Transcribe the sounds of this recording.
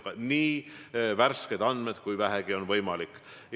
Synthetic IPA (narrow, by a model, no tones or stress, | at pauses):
ɑniːværsked̪ɑnd̪med̪̥kujvæɦeɡ̥io̞nvɤjmɑlikːˑ